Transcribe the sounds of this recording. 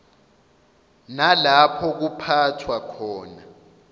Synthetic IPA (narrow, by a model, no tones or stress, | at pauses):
nalapʰɔk̬upʰatʰwakʰɔːna